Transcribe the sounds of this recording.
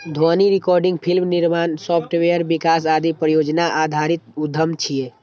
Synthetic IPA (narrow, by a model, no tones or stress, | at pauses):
d̪ʱɔniɾɪkɔːɾɖɪ̃ŋɡpʰilmniɾmaːnsɔːpʰʈʋejəɾbikaːs̬aːd̪ipɾəjoːd͡ʒnaʔaːd̪ʱaːɾit̪̚ud̪ʱːəmt͡ʃʰije